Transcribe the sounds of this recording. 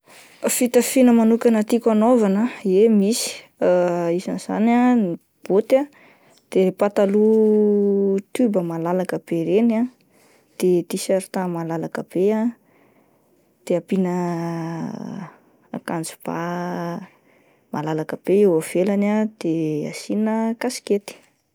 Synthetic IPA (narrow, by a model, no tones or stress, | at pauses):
fit̪afinəmanukʲanət̪ikanovanəemisi̥ | isaniz̥a̰nani | b̥ot̪a | d̪̥epat̪alu | t̪ubəmalalakəb̥eɾena | d̪̥et̪isaɾit̪amalalakəb̥ea | d̪̥eapinə | a̰kand͡zu̥b̥a̰ | malalakəb̥eewav̥elanad̪̥ea̰sinəkasi̥ket̪i̥